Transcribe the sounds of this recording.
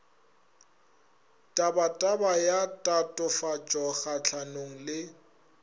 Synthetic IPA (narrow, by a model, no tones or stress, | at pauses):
tʼabatʼabajatʼatʼʊfat͡ʃʼɔɣat͡ɬʰanoŋ̩lɪ